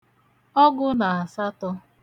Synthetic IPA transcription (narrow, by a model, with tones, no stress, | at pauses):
ɔ˦ɡʊ˦na˨a˨sa˦tɔ˦